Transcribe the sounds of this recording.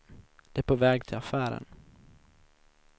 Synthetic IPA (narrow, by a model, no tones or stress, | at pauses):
d̪̥ɛæpʰoːvɛːɡ̚t̪ʰɪlafæːɾə̰n